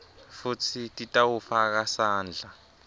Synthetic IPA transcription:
fut͡sʰitʼitʼawufak̬asaːnd͡ɮʱa

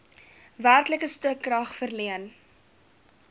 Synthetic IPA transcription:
værtləkəstəkːrɐχfərliən

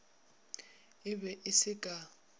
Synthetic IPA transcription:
ɪbɛʔɪsɪkʼa

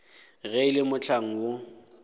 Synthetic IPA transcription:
ɣɛɪlɪmʊt͡ɬʰaŋ̩wʊ

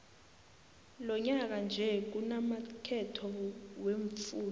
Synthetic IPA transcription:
lɔɲak̬and͡ʒʱɛk̬unamakʰɛtʰɔweɱfuːn

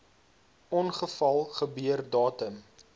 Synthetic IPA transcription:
ɔnχəfɐlˠχəbyərdɑːtəm

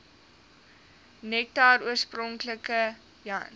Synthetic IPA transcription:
nɛk̚tɑːɾuərsprɔŋkləkə | ja̰n

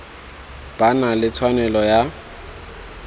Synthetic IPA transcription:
b̥analɪt͡sʰwanɛlɔja

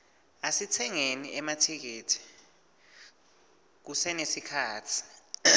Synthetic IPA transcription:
asitʰɛŋeniɛmatʰik̬eːtʰi̥ | k̬usɛnesikʰaːtʰi̥

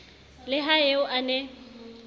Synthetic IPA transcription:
lɪɦaeʊʔanɛ

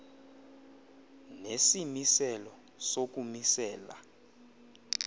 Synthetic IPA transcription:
nesimisɛlɔ | sok̬ʼumisɛːla̰

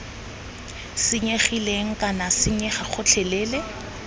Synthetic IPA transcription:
sɪɲeχileŋ̩kʼanasɪɲɛχaχʊt͡ɬʰɛlɛːle

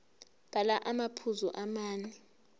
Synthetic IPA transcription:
b̥ʱalaʔamapʰuzuʔamaːni

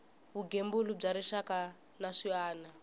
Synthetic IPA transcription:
βuɡembulub͡ʐaɾiʂaka | naʂiaːna

